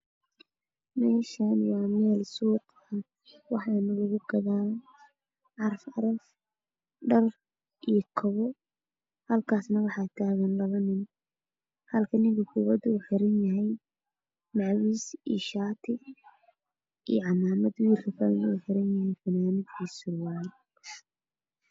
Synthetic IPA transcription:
mɛːʃɐnwɑːmɛːlsuːt̪ | ɐ | wɑħɑːnʊɣʊɣʊɡɐðaː | ʕɑrfʕɑɾɐf | ɖɐr | ʔijkʰɔβɔ | hɐlkʰaːsnɐwɑħɑːt̪ʰaːɣɐnlɐlɐnɪn | hɐlkʰɐnɪŋkʰɐkʰʊβɐd̪uːħɪɾɐnjɐɦɛj | mɑʕwiːsḭːʃaːt̪ʰɪ | ḭjɔʕɑnaːmɐd̪wiːrkʰɐfɐlnɐuːħɪɾɐnjɐɦɛjfɐnaːmɪd̪kʰiːsʊrwaːj

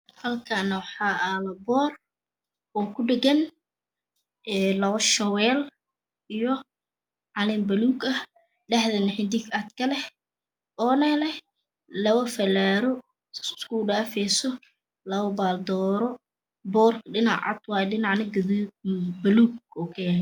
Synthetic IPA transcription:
hɐlkʰɐnɐwɑħɑːʔalɐbɔːr | ɔːkʰʊɖɪɡɐn | ʔɛːlɐwɐʃɐwɛːl | ijɔ | ʕɑlɪmbɐluːɡɐ | ɖɐħðɐnɪħɪnd̪ɪkad̪kʰɐlɛh | ɔːnɐlɛh | lɐβɐfɐlaːɾɔ̥ | sskuːɖaːfɛjsɔ | lɐβɐbaːld̪ɔːɾɔ | bɔːrkʰɖɪnɑ̰ʕɑ̰d̪wɑːjɛɖɪnɑʕnɐɡðbɐluːɡɔkʰɛ

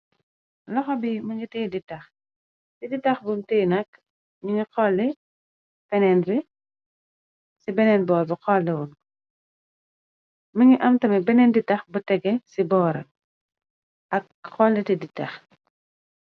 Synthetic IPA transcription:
lɐxɔbimɐɲitiːjditɐx | tiditɐxbumtiːnɐk̚ | ɲuɲiqɔlːi | fɛnɛnbi | sibɛnɛnbɔːɾbɐqɔlːɛwul | mɐɲiʔɐmtɐmibɛnɛnditɐxbɐtɛɡɛsibɔːɾɐ̰ | ʔɐk̚ | xɔlːitiditɐx

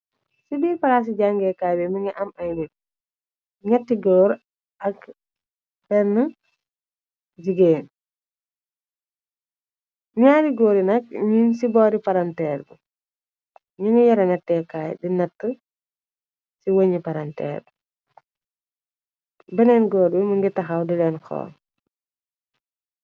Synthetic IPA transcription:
sibiːɾpɐɾaːs̬iɟaŋɡɛːkaːjbɛmiŋɐʔɐmɐjnit̚ | ɲɛtːiɡɔːɾ | ɐk | bɛnːə | d͡ʒiɡeːn | ɲaːɾiɡoːɾinɐk̚ɲinsibɔːɾipaɾɐntɛːɾbu | ɲiŋəjɐɾɐnɛtːɛkaːjdinɐtːə | siwɐɲipaɾantɛ̰ːɾ | bɛnɛnɡɔːɾbiməŋɡitɐxawdilɛnkʰɔ̰ː

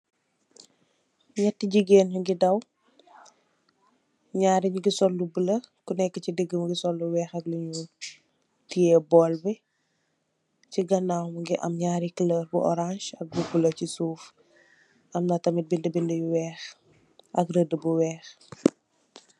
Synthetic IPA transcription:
ɲɛtːiɟiɡeːnuŋɡidɐw | ɲaːɾiɲuɡisɔlːubulɐkunɛkːəcidəɡəmɡisɔlːuwɛːxɐkliɲu | tijebɔːlbɛ | ciɡɐnawmŋɡiʔɐ̰mɲaːɾikiləːrbuʔɔ̰ɾãnʃɐk̚bubulɐcisuːf | ɐmnɐtɐmit̚bindəbindəjuwɛːx | ʔɐkrədəbuwɛːx

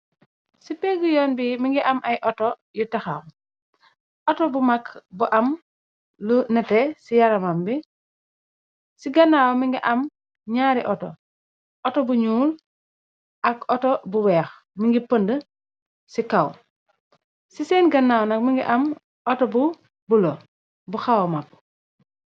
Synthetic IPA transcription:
sipɛɡujɔːnbimiŋɡiʔɐmʔɐjʔɔtɔ | jutɐxa̰w | ʔɔtɔbumɐkbuʔɐm | lunɛtɛsijɐɾɐmambi | siɡɐnːaːwmiŋɡiʔɐm | ɲaːɾiʔɔtɔ̰ | ʔɔtɔbuɲuːl | ʔɐkɔtɔbuwɛːx | miŋɡipəndə | sikɐw | sisɛːnɡɐnːaːwnɐk̚miŋɡḭʔɐm | ɔtɔbu | bulɔ | buxɐwmɐk̚

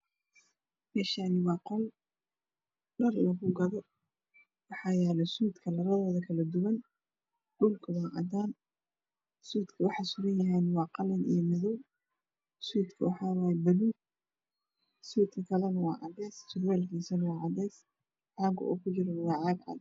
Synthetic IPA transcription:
mɛːʃaːnɪwɑːqɔw | ɖɐrlɐɣʊɡɐðɔ | wɑħɑːjɛːlɛsuːd̪kʰɐlɐɾɐðɔːðɐkʰɐlɐd̪ʊwɐn | ɖʊlkʰɐwɑːʔɑ̰d̪aːn | suːd̪kʰɐwɑħɑsʊɾɐnjɐɦɛnwɑːqɑlɐnḭjɔmɪðuw | suːd̪kʰɐwɑħɑːwɑːjɛbɐluːɡ̚ | suːd̪kʰɐkʰɐlɛnɐwɑːʕɑd̪ɛːst͡ʃʰʊrwɛːlkʰiːsɐnɐwɑːʕɑd̪ɛːs | ħɑːɡʊ̰ʔɔ̰ːkʰʊt͡ʃɪɾɐnwɑːʕɑːɡʕɑ̰d̪

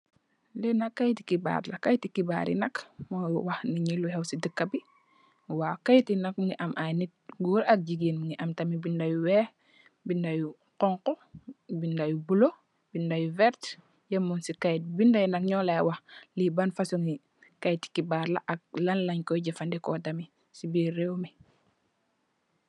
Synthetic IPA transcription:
linakːajti̥kiba̰ːɾlakajtikiba̰ːɾḭnɐkmɔjwaxniɲiluhɛwsidəkːabi | waːkajtinak̚miŋɡiʔamʔajnit̚ɡuːɾak̚ɟiɡinmiŋɡiʔamtamibindajuwɛːh | bindaju | qɔŋqɔbindajubulo | bindajuvɛɾt | jemunsikajt̚bindajnɐkɲɔːlawaxlibanfasuŋi | kajti̥kibaːɾla̰ʔak̚lanlaɲkɔjɟɛfandɛkɔtami | sibiːɾɛwmi

